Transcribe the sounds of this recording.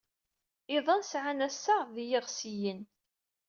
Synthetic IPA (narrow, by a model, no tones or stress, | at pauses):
ɪðˤɑnsʕanæsːəʁðijɪʁsijən